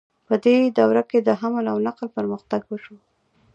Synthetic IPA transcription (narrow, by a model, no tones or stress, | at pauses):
pəd̪ed̪awɾaked̪əɦamalawnaqlpəɾməxt̪aɡwəʃu